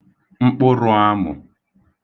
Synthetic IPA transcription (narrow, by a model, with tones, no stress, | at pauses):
ŋ͡m̩˦k͡pʊ˦ɾʊ˦a˦mʊ̰˨